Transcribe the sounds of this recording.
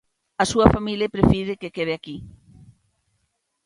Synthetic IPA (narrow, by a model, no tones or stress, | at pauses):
ɐsuɐfamilepɾefiðɪkekeð̞eaki